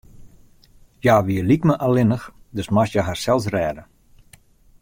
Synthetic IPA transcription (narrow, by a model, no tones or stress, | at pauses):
jaːʋiəlikməʔalɪnəxdøsmasjəɦarsɛlˠs̬rɛːdə